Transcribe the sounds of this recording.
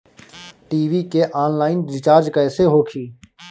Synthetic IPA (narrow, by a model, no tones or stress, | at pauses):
ʈiːʋiːkeːʔaːnlaːɪnd͡ʒɪt͡ʃaːɾd͡ʒkəːseːɦoːkʰiː